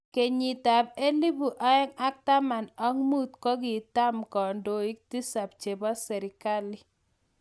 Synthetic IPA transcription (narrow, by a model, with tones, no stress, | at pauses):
ke˨ɲi˨ta˨p̚e˦li˦bu˨ʔa˦ɛ˦ŋa˦k̚ta˦ma˨na˦ŋmu˦t̚kɔ˦k̬i˨ta˦mkɔ˨ndo˨i˦k̚ti˦sa˨p̚t͡ʃe˨bɔ˦sɛ˨ɾɪ˨ka˦li˨